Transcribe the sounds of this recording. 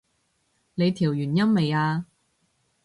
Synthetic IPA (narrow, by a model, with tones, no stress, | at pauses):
le˨˧jt̪ʰiː˨˩wjyː˨˩njɐ˥nme˨˧jaː˧